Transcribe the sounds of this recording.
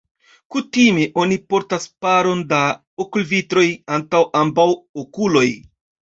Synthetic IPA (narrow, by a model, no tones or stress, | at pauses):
kutime̞ʔo̞nipo̞ɾtaspaɾo̞nda | okulvitɾo̞jantawʔambawokulo̞j